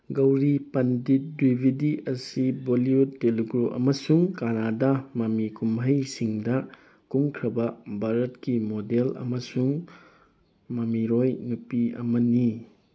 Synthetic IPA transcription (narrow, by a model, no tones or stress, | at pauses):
ɡɐwɾipɐndit̚dibʱidiʔɐsiboliutːeliɡɾoʔɐ̰mɐsuŋkanadɐmɐmikumɦɐjsiŋdɐ | kuŋkʰɾɐbɐbʱaɾɐtkimodelɐ̰mɐsuŋ | mɐmiɾojnupiɐ̰mɐni